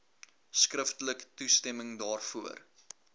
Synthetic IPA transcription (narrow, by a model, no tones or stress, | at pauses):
skrəftələktustɛməŋdɑːrfuər